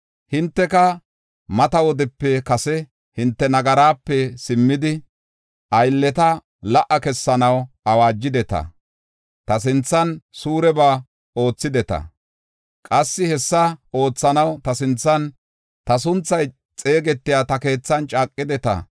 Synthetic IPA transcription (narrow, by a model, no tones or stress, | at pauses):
hɪnt̪ːɛkɐ | mɐt̪ɐwɔd̪ɪpːɛkɐsɛ | hɪnt̪ːɛnɐɡɐɾaːpːɛsɪmːɪd̪ɪ | ʔɐjlːɛt̪ɐ | lɐʔːɐkɛsːɐnɐw | ɐwaːd͡ʒːɪd̪ɛt̪ɐ̰ | t̪ɐs̬ɪnt͡sːɐnsuːɾɛbaː | o̞ːt͡sːɪd̪ɛt̪ɐ̰ | kʼɐsːɪhɛsːɐo̞ːt͡sːɐnɐwt̪ɐsɪnt͡sːɐn | t̪ɐs̬ʊnt͡sːɐj | t͡sʼe̞ːɡɛt̪ːɪjaːt̪ɐke̞ːt͡sːɐnt͡ʃʼaːkʼːɪd̪ɛt̪ɐ̰